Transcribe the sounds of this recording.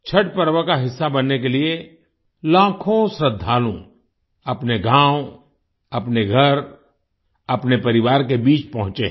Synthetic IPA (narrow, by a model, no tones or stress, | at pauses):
t͡ʃʰɐʈpɐɾwəkaɦɪsːabɐnːek̬elie | lãːkʰõsɾəd̪ʱːaːlṵ̃ | ɐpneɡãːw | ɐpneɡʱɐɾ | ɐpnepɐɾɪʋaːɾk̬ebiːt͡ʃpɐɦʊ̃t͡ʃḛ̃ː